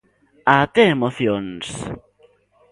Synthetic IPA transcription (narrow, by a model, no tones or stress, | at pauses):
at̪eemoθjons